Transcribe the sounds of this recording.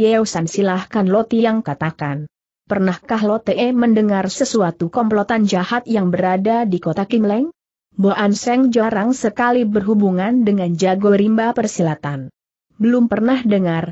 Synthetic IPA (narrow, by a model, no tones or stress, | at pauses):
jɛusansilahkanlɔt̪ijaŋkat̪akan | pərnahkaɦlɔt̪eʔɛməndəŋarsəsuat̪ukɔmplɔt̪and͡ʒahat̪̚jaŋbəɾadadikot̪akimlɛŋ | boʔansɛŋd͡ʒaɾaŋsəkalibərɦubuŋandəŋand͡ʒaɡɔɾimbapərsilat̪an | bəlʊmpərnahdəŋar